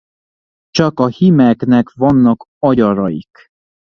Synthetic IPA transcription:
t͡ʃɒkɒhimɛknɛkvɒnːɒk | ɒɟɒɾɒjḭk

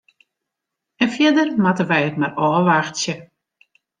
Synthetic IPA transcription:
ɛnfjɛdərmatəʋɛjətmarɔːʋaxtsjə

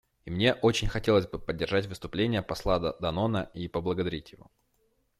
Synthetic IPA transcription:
imnʲe̞ʔo̞t͡ɕɪnʲxɐtʲe̞lˠəzʲbɨpədʲːɪrʐatʲvɨst̪ʊplʲenʲɪjəpɐslˠad̪ɐno̞nəipəblˠəɡəd̪ɐɾʲitʲjɪvo̞̰

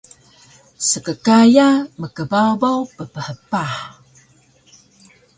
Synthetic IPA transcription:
səkəkajaməkəbabawpəpəhəpaħ

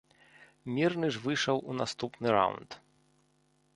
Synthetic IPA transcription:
mʲirnɨʐvɨʂɐwʔunast̪upnɨɾa̰wnt̪

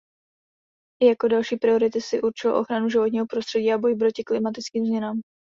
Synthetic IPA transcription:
ʔɪjako̞dalʃiːpɾɪo̞ɾɪt̪ɪsɪʔuɾt͡ʃɪlo̰ʔo̞̰xɾanuʒɪvo̞t̪ɲiːɦo̞pɾo̞st̪r̥ɛɟiːabo̞jpɾo̞cɪklɪmat̪ɪt͡skiːmzmɲɛnaːm

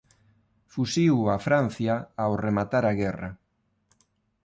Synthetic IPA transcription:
fusiwafɾan̟θjaːoremat̪aɾaɣɛra̰

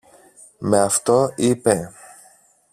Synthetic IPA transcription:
meɐft̪o̞ipe

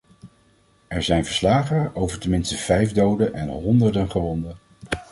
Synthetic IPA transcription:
ɛɹzɛjnvəɹslaːχəowvəɹtəmɪnstəv̥ɛjvdowdənʔɛnɦɔndəɹdənχəʋɔndən

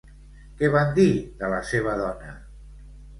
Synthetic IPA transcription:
kɛβand̪iðələseβ̞əðɔnə

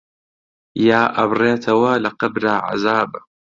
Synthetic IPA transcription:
jaːʔɐbreːt̪ʰɐwɐlɐqɐbɾaːʕa̰zaːba

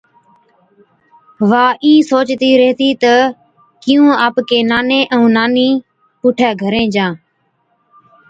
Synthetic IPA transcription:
ʋaːʔĩːsoːt͡ʃt̪iːɾəɦt̪iːt̪ə | kɪjũːaːpkeːnaːnẽːʔəũːnaːniː | pʊːʈʰaːɡʱəɾẽːd͡ʒãː

